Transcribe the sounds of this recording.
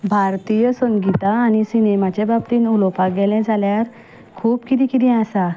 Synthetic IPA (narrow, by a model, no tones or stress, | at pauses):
bʱaɾt̪ijəsəŋɡit̪aːñisinemat͡ɕebabt̪iːnulopaɡɛlɛ̃d͡zʱaljaɾ | kʰuːpkit̪ikit̪ĩasa